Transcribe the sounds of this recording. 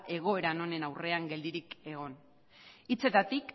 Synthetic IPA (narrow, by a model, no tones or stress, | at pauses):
ʔe̞ɣ̞o̞e̞ɾano̞ne̞nawre̞aŋɡe̞ld̪iɾike̞ɣ̞o̞n | it͡se̞t̪at̪ik